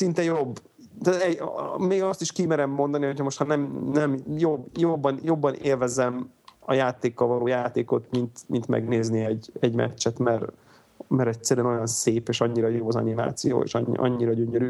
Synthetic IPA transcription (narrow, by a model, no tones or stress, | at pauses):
sint̪ɛjobː | t̪aːt̪ɛmeːɡɒst̪iʃkimɛɾɛmːo̞nd̪ɒniɦocʰɒmoʃt̪hɒnɛmnɛmjobjobːɒnjo̞bːɒneːlvɛzɛm | ɒjaːt̪eːkːɒlvɒloːjaːt̪eːko̞t̪mint̪mint̪mɛ̰ɡneːzniɛɟɛɟmɛ̰t͡ʃt͡ʃːɛt̪mɛr | mɛɾɛcsɛɾyɛno̞jɒnseːpeːʃɒɲːiɾɒjobɒzɒ̰nima̰ːt̪sijo̰ːḛːʃɒ̰ɲ̰ːʔɒ̰ɲːiɾɒɟøɲøɾyː